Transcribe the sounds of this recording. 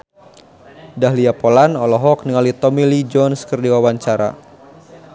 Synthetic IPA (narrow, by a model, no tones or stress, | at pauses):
daɦliapolanɔlɔɦɔk̚niŋalit̪ɔmilid͡ʒɔnskərdiwawaɲt͡ʃaɾa̰